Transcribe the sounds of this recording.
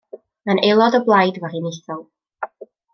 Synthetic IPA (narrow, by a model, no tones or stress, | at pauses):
ənʔelˠɔdəblˠajdvərinɪθɔlˠ